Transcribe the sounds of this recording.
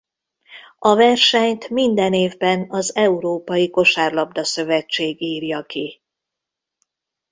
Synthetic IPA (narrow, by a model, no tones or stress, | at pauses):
ɒvɛrʃɛɲt̪mind̪ɛneːvbɛnɒzɛuɾoːpɒjiko̞ʃaːrlɒb̚d̪ɒsø̞vɛt͡ʃːeːɡiːrjɒki